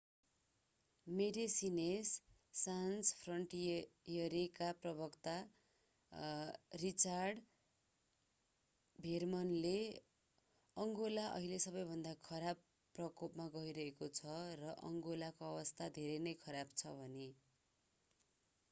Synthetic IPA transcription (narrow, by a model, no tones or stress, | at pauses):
meɖisinesːanspʰrʌɳʈjʌɾikaprʌbʌkt̪a | rit͡sarɖ | bʱermʌnle | ʌŋɡolaʔʌ̰ɦilesʌbʌjbʱʌnd̪akʰʌɾab | pːrʌkopmaɡʌiɾʌɦekot͡sʰʌrʌʔʌ̰ŋɡolakoʌbʌst̪ʰad̪ʱeɾʌnʌjkʰʌɾabt͡sʰʌbʱʌne